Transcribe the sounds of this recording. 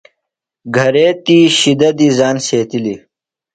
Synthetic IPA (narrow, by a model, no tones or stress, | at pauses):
ɡʱɐɾeːt̪iɕid̪ɐd̪izaːnseːt̪ili